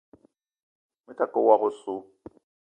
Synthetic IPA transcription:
mʊ˦tʰʼa˨kʼʊ˦wa˦ɣʊ˦sʊ˦

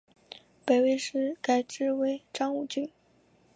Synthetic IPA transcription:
pe˧ɪwe˥˧ɪʂɻ̩˥˩ka˥ɪʈ͡ʂɻ̩˥we˥˩ɪʈ͡ʂɑ˥ŋu˨˩t͡ɕy˥˩˦n

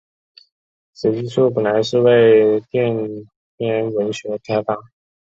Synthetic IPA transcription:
ʂ̩˨˧˥t͡ɕi˥ʂʰu˥˩p̬ə˨˩nla˧˥ɪʂɻ̩˥˧we˥˧ɪt̪jɛ˥˧n | tjɛ˥˩nwə˧˥nɕɥɛ˧˥k̪ʰa˥ɪt̪a˥˩

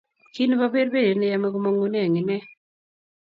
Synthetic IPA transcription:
ki˦nba˦be˦ɾbe˦de˨nɛ˦ja˦me˦ko˦mo˦ŋo˦ne˦a˨ŋɪ˨nɛ˦

